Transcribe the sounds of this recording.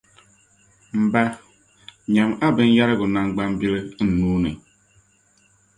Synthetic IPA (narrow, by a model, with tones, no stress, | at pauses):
m̩˨ba˦ | ɲa˨ma˦bɪ˨n̩˦ja˦ɾɪ˦ɡʊ˨na˨ŋ͡m̩˦ɡ͡ba˦m̩˦bi˦le˦n̩˨nu˦ni˨